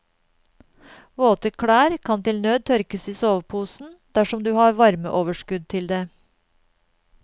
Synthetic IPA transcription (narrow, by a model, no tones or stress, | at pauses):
ʋoːt̪əkʰɽæːɾkʰɑnt̪ɪlnøːd̪̚t̪ʰœɾkəsiːsoːʋpʰuːsn̩d̪̥æʃɔmd̪ʉːhɑːɾʋɑɾmə̰ʔoːʋəʃkʉd̪̚t̪ʰɪld̪eː